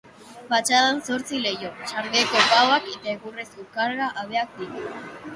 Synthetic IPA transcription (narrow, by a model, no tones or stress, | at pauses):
pat͡ʃaðanso̞ɾt͡sile̞jo̞t͡ʃaɾɡeko̞pawaket̪aeɣure̞sukaɾɣaʔaβ̞e̞ak̚d̪it̪u